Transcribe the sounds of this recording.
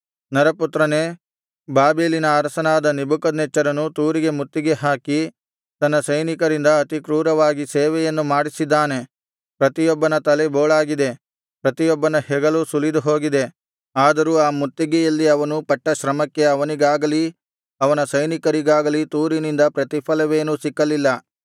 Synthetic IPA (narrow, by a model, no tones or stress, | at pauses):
nɐɾɐput̪ɾɐneː | baːbeːlinɐaːɾɐsɐnaːd̪ɐnibukɐd̪nɛt͡ʃːɐɾɐnut̪uːɾiɡe̞mut̪ːiɡe̞ɦaːki | t̪ɐnːɐsɐjnikɐɾind̪ɐɐt̪ikɾuːɾɐʋaːɡiseːʋɛjɐnːumaːɽisid̪ːaːne̞ | pɾɐt̪ijɔbːɐnɐt̪ɐleboːɭaːɡid̪e̞ | pɾɐt̪ijɔbːɐnɐhɛɡɐlusulid̪uɦo̞ːɡid̪e̞ | aːd̪ɐɾuːaːmut̪ːiɡɛjɐlːiɐʋɐnupɐʈːɐʃɾɐmɐkːe̞ɐʋɐniɡaːɡɐli | ɐʋɐnɐsɐjnikɐɾiɡaːɡɐlit̪uːɾinind̪ɐpɾɐt̪ipʰɐlɐʋeːnusikːɐlilːɐ